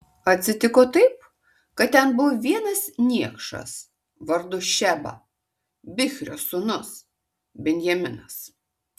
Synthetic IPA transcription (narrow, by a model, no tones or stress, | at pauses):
ɐt̪ʲsʲɪt̪ʲɪkoːt̪ɐɪp̚ | kɐt̪̚t̪ʲɛnbʊʋoʋʲiɛnɐsnʲiɛkʃɐ̰s | ʋɐɾd̪ʊʃʲæbɐ̰ | bʲɪxʲɾʲoːsʊnʊs | bʲɛnʲjɛmʲɪnɐs